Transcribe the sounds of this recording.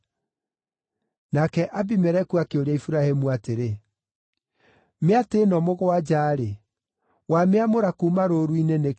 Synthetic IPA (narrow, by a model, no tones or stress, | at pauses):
nakɛʔabimɛɾɛkuakeoɾaifuɾahemuateɾe | meateːnɔmoɣoad͡ʑaːɾe | wameamoɾakumaɾoɾuinene